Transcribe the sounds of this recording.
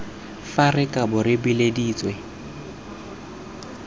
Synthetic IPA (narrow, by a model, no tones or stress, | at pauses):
farɪkʼabʊɾɪbɪlediːt͡sʼwɛ